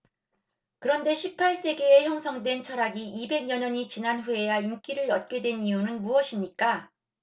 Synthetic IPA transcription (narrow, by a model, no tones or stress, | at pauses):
kɯɾʌnde̞ɕʰipʰaɭs͈e̞ɡe̞ːçjʌŋsʰʌŋdwe̞nt͡ɕʰʌɾaɡiːbe̞ɡɲʌɲʌɲit͡ɕinanɸue̞jaink͈iɾɯɾʌt̚k͈e̞dwe̞niunɯnmuʌɕʰimɲik͈a